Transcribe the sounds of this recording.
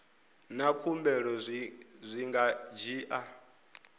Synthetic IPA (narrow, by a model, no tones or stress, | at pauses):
nakʰumbɛɺɔzʷiŋɡad͡ʒiːʔa